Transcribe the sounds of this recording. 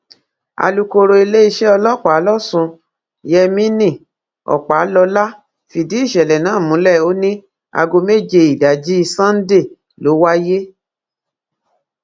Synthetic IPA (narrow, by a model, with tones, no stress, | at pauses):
a̰˧lu˧ko˧ɾo˧i˧le˦i˦˧ʃɛ˦ɔ˧lɔ˦k͡pa˨˦lɔ˦sũ˧ | jɛ˧mĩ˦nĩ˦˨ | ɔ̰˨k͡pa˨˦lɔ˧la˦ | fi˨di˨˦i˦˨ʃɛ˨lɛ˨nãː˨˦˨mũ˨˦lɛ˦˨o˦nĩ˦ | a̰˧ɡo˧me˦˨d͡ʒe˧i˨da˨d͡ʒi˦i˧sã˦n̩˦de˦˨ | lo˨˦wa˦je˦